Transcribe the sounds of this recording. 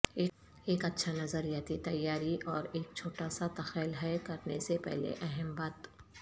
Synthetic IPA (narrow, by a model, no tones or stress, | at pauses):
eː | eːkɐtːʃʰanɐzəɾijaːt̪it̪ɐjːaːɾiʔɔːɾeːk̚t͡ʃʰoːʈaːsat̪ɐxɛːlɦɛkɐɾnesepɛ̰ɦlḛʔɛɦɛmbaːt̪